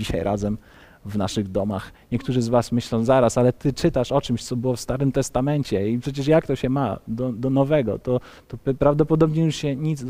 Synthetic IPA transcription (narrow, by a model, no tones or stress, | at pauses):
iɕa̰jɾʔa̰zɛm | vna̰ʂɘɣd̪ɔma̰xɲɛk̚t̪uʐɘzvasmɘɕlɔ̃w̃zaɾasalɛt̪ɘt͡ʂɘt̪aʂɔt͡ʂɘmɕt̪sɔbɘwɔfst̪aɾɘmt̪ɛst̪amɛɲt͡ɕɛipʂɛt͡ɕɛʂ̬jak̚t̪ɔɕɛmad̪ɔd̪ɔnɔvɛɡɔ̰t̪ɔ | t̪ɔpɾavd̪ɔpɔd̪ɔbɲɛjuʂɕɛɲit̪z